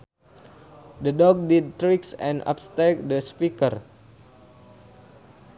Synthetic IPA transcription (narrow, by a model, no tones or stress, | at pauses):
dədɔɡ̚did̚t̪ɾiksɛ̰̃nʔa̰pst̪ɛk̚dəspikər